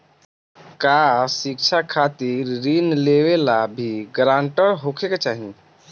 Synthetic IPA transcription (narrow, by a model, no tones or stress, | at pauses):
kasik̚t͡ʃʰakʰat̪iɾːinleʋelabʱiɡɾãɳʈəɾɦokʰekt͡ʃaɦi